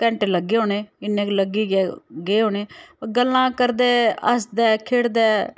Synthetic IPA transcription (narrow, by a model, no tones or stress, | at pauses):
kɛ̃ɳʈləɡeːɦoːneːɪnːẽːkləɡiːɡɛːɡeːɦoːneːɡəlːãːkəɾd̪ɛːə̰sd̪ɛːkʰeːɽd̪ɛː